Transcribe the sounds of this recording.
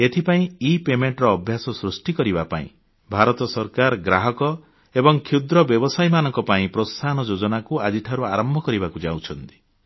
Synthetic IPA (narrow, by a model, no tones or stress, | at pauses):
et̪ʰipaĩipemeɳʈɾɔːbʱjasɔsɾusʈikɔɾibapa̰ḭ̃ | bʱaɾɔt̪ɔsɔɾkaɾɡɾaɦɔkɔ | ebɔŋkʰud̪ɾɔbjɔbɔsajmanɔŋkɔpaĩpɾost̪ʰanɔd͡ʒod͡ʒɔnakuad͡ʒiʈʰaɾuaɾɔmbʱɔkɔɾibakud͡ʒawt͡ʃʰɔnt̪i̥